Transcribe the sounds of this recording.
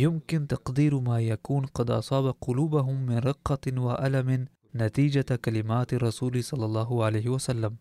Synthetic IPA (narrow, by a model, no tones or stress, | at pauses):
jʊmkɪnt̪ɑqd̪iːɾmaːjakuːnqɑd̪ʔɑ̰sˤɑːbaqʊluːbaɦʊmːɪnɾˤɪqːɑwaʔalamɪː | at̪iːd͡ʒakalɪmaːt̪ɑrˤːɑsuːlsˤɑlːɑlˤːɑːɦʊʕalajhɪwasalːam